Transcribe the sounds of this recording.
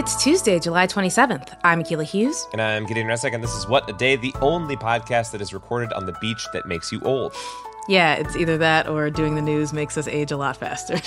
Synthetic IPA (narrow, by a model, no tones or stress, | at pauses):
ɨtstʰʉzdeɪd͡ʒəlaɪtʰw̥ɛ̃ɾ̃isɛvɨ̃nθãɪ̃mɨkʰilˠəhjʉz̥ɨ̃nãɪ̃mɡɛɾɪ̃ŋɹasɛkɨ̃nðɪsɨzwʌɾɨdeɪðiʔõʊ̃nlipʰɑd̚kʰæst̪̚ðɨɾɨzɹɨkʰɔɹɾɨɾn̩ðɨbit͡ʃðɨ̰t̚meɪksjɨʔoʊlˠd̥ | jæɪ̰tsiðə˞ðɨɾʔə˞dʉɪ̃ŋðɨnʉzmeɪksʌsḛɪd͡ʒəlɔ̰tfæ̰stə˞